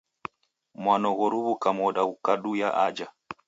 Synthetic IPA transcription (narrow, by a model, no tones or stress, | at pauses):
mwanɔɣɔɾuβukamɔɗaukaɗujaʔad͡ʒa